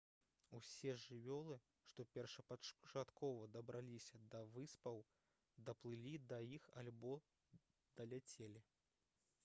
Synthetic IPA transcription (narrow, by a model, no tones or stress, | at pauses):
usʲɛʐɨvʲɔlˠɨ | ʂt̪ɔpʲɛrʂɐpɐt͡ʃat̪kʰɔvɐd̪ɐbɾʔalʲisʲɐd̪ɐvɨspɐw | d̪ɐplˠɨlʲid̪ɐjixalʲbɔ | d̪̥ɐlʲat͡sʲelʲi